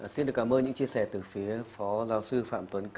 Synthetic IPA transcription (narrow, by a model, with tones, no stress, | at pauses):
si˧nɗɨ˨˩əkaː˧˩mʔəː˧nɲɨ̰˧˥ŋt͡ɕi˧əsɛ˧˩t̪ɨ˨˩fi˨˦əfɔ˨˦zaː˨˦wsɨ˧fa̰ː˧˨mt̪wə˨˦nk